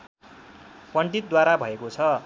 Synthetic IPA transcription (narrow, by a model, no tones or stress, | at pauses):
pʌɳɖit̪̚d̪waɾabʱʌekot͡sʰʌ